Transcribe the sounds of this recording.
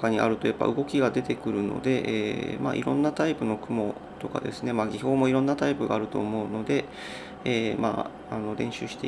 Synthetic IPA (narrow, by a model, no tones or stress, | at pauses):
kaɲ̟iʔa̰ɾɯ̟t̪o̞japːa̰ʔɯ̟ɡo̞kʲiɡad̪e̞t̪e̞kɯ̟ɾɯ̟no̞̰d̪e̞ʔḛːma̰ʔḭɾõ̞̰nːat̪aipɯ̟no̞kɯ̟mo̞ | t̪o̞ka̰d̪e̞̰sɨne̞maːɡʲiço̞ːmo̞iɾõ̞nːat̪aipɯ̟ɡa̰ːɾɯ̟t̪o̞̰ːmo̞ɯ̟no̞d̪e̞ | eːma̰ː | anoɾẽ̞ɕɨːɕi̥t̪e̞̰